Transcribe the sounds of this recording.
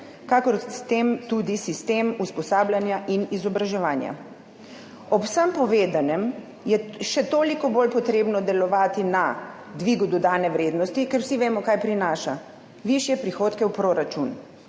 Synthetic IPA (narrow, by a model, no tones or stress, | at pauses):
kakɔɾt̪emt̪ud̪isist̪eːmuspɔsaːbljanjaʔinizɔbɾaʒɛʋaːnja̰ | ɔpwsəmpɔʋeːd̪anɛm | jɛʃɛt̪oːlikɔbolpɔt̪ɾeːbnɔd̪ɛlɔʋaːt̪ina | d̪ʋiɡud̪ɔd̪aːnɛʋɾeːd̪nɔst̪ikɛɾwsiʋeːmɔkaːjpɾinaːʃa | ʋiʃjɛpɾixoːt̪kɛwpɾoːɾat͡ʃun